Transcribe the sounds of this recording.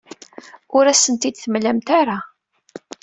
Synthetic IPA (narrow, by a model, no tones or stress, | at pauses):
ʊɾæsənt̪id̪θəmlæmt̪aɾa